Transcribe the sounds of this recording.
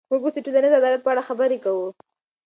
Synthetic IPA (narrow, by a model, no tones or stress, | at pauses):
muɡosɪʈulanad̪əad̪ɑlat̪̚pəaɽaxabəɾekawu